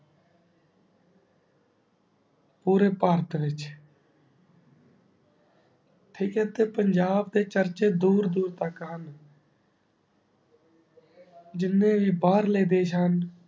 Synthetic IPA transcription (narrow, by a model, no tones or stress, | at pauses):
puːɾeːpaːɾt̪ʰʋɪt͡ʃ | ʈʰɪːket̪eːpəɲd͡ʒaːbd̪eːt͡ʃəɾt͡ʃeːd̪uːɾd̪uːɾt̪aːkəɦən | d͡ʒɪnːẽːʋiːbaːɾleːd̪eːt͡ʃʰaːn